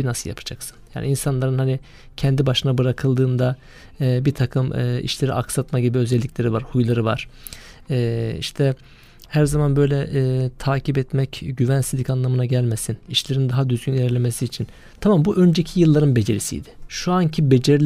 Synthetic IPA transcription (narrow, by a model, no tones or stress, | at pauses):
binasɯlˠja̰pʰḁd͡ʒaksɯ̥nja̰ːniinsanlˠaɾɯnhani | cʰɛnd̪ibaʃɯnabɯɾakʰɯlˠd̪ɯːnd̪a | bit̪ʰakʰɯmɯːḭʃlʲe̞ɾḭʔaksat̪maɟibiø̞zɛlʲːiclʲe̞ɾivaɾhujlˠaɾɯva̰ɾ̥ | ɛːḭʃt̪ʰɛ | hæɾzamanbø̞jlʲɛʔɛːt̪ʰaːcʰipɛt̪mɛcɟyvænsizʲicanlˠamɯnaɟælʲmesiniʃlʲe̞ɾind̪aɦad̪yzɡʲynilʲæɾlʲe̞mesiːt͡ʃʰin | t̪ʰamambuʔø̞nd͡ʒecʰijɯlˠːaɾɯnbe̞d͡ʒe̞ɾisḭd̪ɪ̥ʃuancʰibe̞d͡ʒeɾlʲ